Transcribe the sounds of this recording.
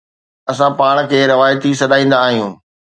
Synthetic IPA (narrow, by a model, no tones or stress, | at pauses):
ɐsãpaːɽ̃̆kʰeːɾɪʋaːjət̪isɐɗaːĩːn̆d̪aːɦijũː